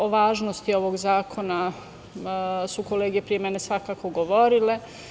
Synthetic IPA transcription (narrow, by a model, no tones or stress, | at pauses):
oʋaːʒnost̪io̞ʋo̞ɡzaːkʰo̞na | suko̞leːɡepɾijemenesʋakaːko̞ɡoʋo̞ɾile̞